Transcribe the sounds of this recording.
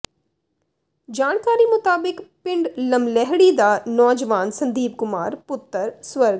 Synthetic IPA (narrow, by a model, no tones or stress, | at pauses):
d͡ʒaːñkaːɾimʊt̪aːbɪkpɪ̃ɳɖlɐmlɛɦɽid̪aːnɔːd͡ʒəʋaːnsɐ̃nd̪iːp̚kʊmaːɾpʊt̪ːəɾsʋɐɾɡ